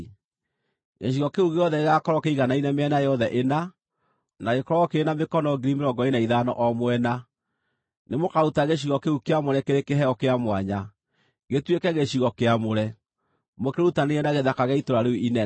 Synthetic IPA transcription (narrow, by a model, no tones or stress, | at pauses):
ɣḛɕ̬iɣɔkeuɣeɔðɛeɣakɔɾɔkeiɣanainɛmeɛnajɔðɛʔena | naɣekɔɾɔkeenamekɔnɔɡiɾimeɾɔŋɡɔenaiðanɔ̰ʔɔmwɛna | nemokaɾutaɣeɕ̬iɣɔkeukeamoɾɛkeɾekeɦɛɔkeamwaɲa | ɣetwekɛɣeɕiɣɔkeamoɾɛ | mokeɾutaneɣɛnaɣeðakaɣɛitoɾaɾeinɛ